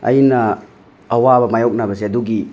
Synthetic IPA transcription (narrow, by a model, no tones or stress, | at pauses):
ɐ̰jnɐː | wabɐmajowk̚nabɐsiɐduɡi